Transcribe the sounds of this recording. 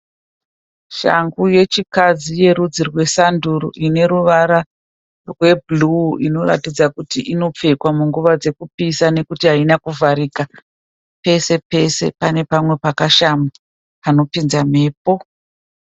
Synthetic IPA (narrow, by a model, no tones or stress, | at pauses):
ʃa̰ŋɡuje̞t͡ʃikad͡zije̞ɾud͡zirwe̞sanduɾo̰ʔine̞ɾuʋaɾa | rwe̞bluino̞ra̰tid͡zakutiʔino̞p͡fe̞kwamuŋɡuʋad͡ze̞kupisane̞kutiɦainakuvʱaɾika | pe̞se̞pe̞se̞̰pane̞pamwe̞pakaʃama | pano̞pinzame̞ːpo